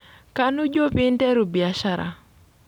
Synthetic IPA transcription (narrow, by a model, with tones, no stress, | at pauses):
ka˦nu˦d͡ʒo˦pi˦ntɛ˦ɾu˨bi˨a˨ʃa˦ɾa̰˨